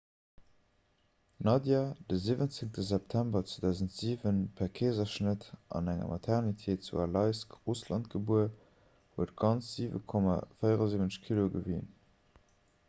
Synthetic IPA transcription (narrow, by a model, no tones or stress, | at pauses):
nɑdjad̥əziːvənt͡seŋtəzæp̚tʰæmbɐt͡sedæʊzəntz̥iːvənpʰæʁkʰeːzɐʃnətʔɑ̰næŋɐ̰mʔɑtʰɛʁnitʰeːtt͡sṵɑlɑɪskʁuslɑnt̚ɡ̥əbuə | huət̚ɡɑnt͡sz̥iːvə̰kʰɔma̰fəɪəʁɑziːvənəʃkʰiloɡəvḭːn